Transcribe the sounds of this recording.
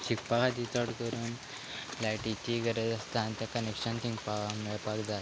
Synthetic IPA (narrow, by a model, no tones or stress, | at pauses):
t͡ɕʰikpakad̪it̪ɔʈkəɾuːn | laʈit̪iɡəɾed͡zəst̪aːnt̪jakənekɕənt̪ʰĩŋɡpameɭpakd͡za